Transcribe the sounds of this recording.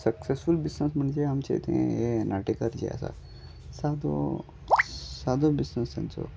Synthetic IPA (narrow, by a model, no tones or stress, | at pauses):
sɐksesfulbisnesmɐɳd͡ʒiɦɐmt͡ʃa̰ɦḭt̪ḛɦɛ̰̃jenaːʈikɐɾd͡ʒḭa̰sa̰ | saːd̪o̰ | saːd̪obisnesenso̰